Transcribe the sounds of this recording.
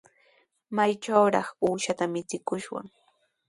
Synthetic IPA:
majt͡ʃawɾɑχuːʃat̪amɪt͡sɪkʊʃwa̰ŋ

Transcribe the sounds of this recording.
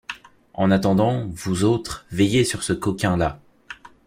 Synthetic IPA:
ɑ̃nat̪ɑ̃d̪ɑ̃vuzot̪χvɛjesyʁsəkɔkʲɛ̃la

